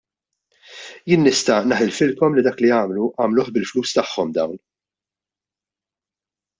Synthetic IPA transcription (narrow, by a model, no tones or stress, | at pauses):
jɪːnːɪst̪ɐnɐħɪlfɪlkɔmlid̪ɐːkliɐːmluʔɐːmluːħbɪlfluːst̪ɐħːɔmd̪ɐ̰wn